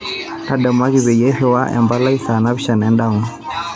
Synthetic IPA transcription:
na˦dɛ˨mwa˦ɣi˦˨βɛ˨jɛ˦hɛ˦˨wa˦ʔɛ̰˨mba˦la˦i˦sa˨na˦βi˦ʃa˨nɛ˦nda˦˨

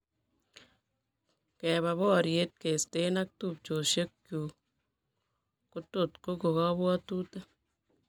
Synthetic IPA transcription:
kɛ˨βa˨βɔ˦˨ɾje˦t̚ke˨ste˦na˦k̚tu˨p̚t͡ʃo˨ʃe˦kkju˨ | ko˦to˨tko˦ko˨kɔ˦bwɔ˦tuː˦ta˦

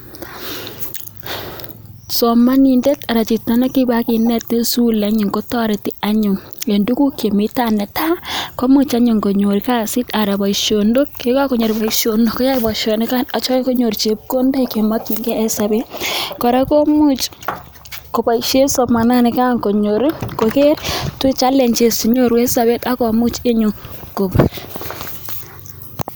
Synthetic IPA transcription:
sɔ˨ma˦ni˨nde˦ta˨ɾa˨t͡ʃi˨tna˨na˦ki˦ba˦ki˨nɛ˦tːe˦su˦la˦ɲu˨ŋko˦tɔ˦ɾe˨ti˦a˦ɲʊ˨ŋe˨ndu˦ku˦kje˨mi˦ta˦nɛ˨ta˦ko˦mu˦t͡ʃa˦ɲʊ˨ŋko˨ɲo˨ɾika˦sɪ˦ta˨ɾa˨bɔ˨iʃo˨ndo˦k̚ke˦ka˦ko˨ɲo˨ɾi˨ba˨iʃo˨no˨kɔ˦ja˦i˦bɔ˨ʃo˨nɪ˦ka˦na˨t͡ʃɔ˦jko˦ɲo˨ɾt͡ʃe˨p̚ko˦nde˦ke˨ma˦ki˨ŋɡɛ˦ɛ˦sa˨be˦kɔ˨ɾa˦ko˦mu˦t͡ʃ | kɔ˨pa˨iʃe˦sɔ˨ma˨na˦nɪ˨ka˦ŋko˨ɲo˨ɾi˦ko˨ke˦ɾtu˦t͡ʃa˦lɛ˨ɲt͡ʃe˨si˨ɲo˦ɾwe˦sa˨be˦ta˦kɔ˨mu˦t͡ʃe˦ɲu˨ŋko˨p

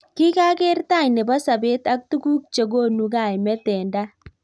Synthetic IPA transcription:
ki˦ka˦ke˦ɾta˦˨ɲne˨ba˦sa˨be˦ta˦k̚tu˦ɡu˦k̚t͡ʃe˨ɡo˦˨nu˨ɡa˨jmɛ˦tɛː˨nda˦

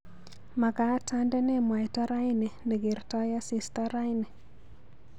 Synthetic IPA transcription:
ma˨ka˨˦ta˦ndɛ˦ne˦mwa˨jta˦ɾa˦ine˨ne˨ɡe˨ɾta˦ja˦si˨staɾa˦jne˨

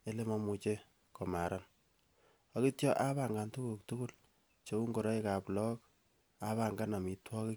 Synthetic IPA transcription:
e˦le˦ma˦mu˨t͡ʃe˦ | kɔ˨ma˨ɾa˦n | ɔ˨ki˦tjɔ˦ʔa˦βa˨ŋɡa˨ntu˦ku˨k̚tuku˦l | t͡ʃo˦u˦ŋɡo˨ɾɔ˦e˦ka˨plɔ˦k̚ | a˦βa˨ŋɡa˦na˨mi˨twɔ˦ki˦

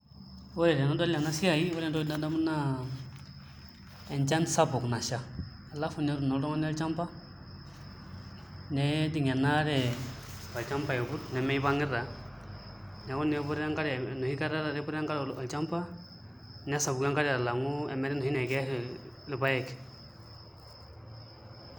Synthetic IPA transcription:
wo˦ɛ˨ɾɛ˨nɔ˦dɔ˦la˨na˦si˦a˨ji˦wɔ˦ɾɛ˦ndɔ˦na˦da˦mu˦na˦ | ɛ˨nt͡ʃa˦nsa˦bu˨kna˨ʃa˦ | a˨la˦fu˨nɛ˦ɾu˨nɔ˨lɾɔ˦ŋɔ˦n˦a˦lt͡ʃa˦mpa˦ | nɛ˦di˨ŋɛ˨na˦ɾɛ˨ | a˨lt͡ʃa˦mpa˦jɛ˨ɡu˦tnɛ˨mɛ˦i˦ba˦ŋɪ˦ɾa˨ | nɛ˨˦wu˦nɛ˨˦bu˦ɾa˦ŋka˦ɾnu˨hi˦ka˦ɾa˦ɾa˨ɾɛ˦bu˦ɾa˦ŋka˦ɾa˨lt͡ʃa˦mpa˦ | nɛ˦sa˨bu˨ka˦ŋka˦ɾɛ˦a˨la˨ŋu˦ɛ̰˨mɛ˦ɾɛ˦nɔ˨hi˦nɛ˨ɡɛ˦l | li˨ba˦jɛ˦˨k

